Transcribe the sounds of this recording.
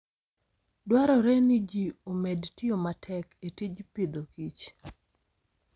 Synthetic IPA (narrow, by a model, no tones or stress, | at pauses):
dwaɾɔɾɛnid͡ʒiomedtɪomatʰɛketid͡ʒpɪd̪okit͡ʃ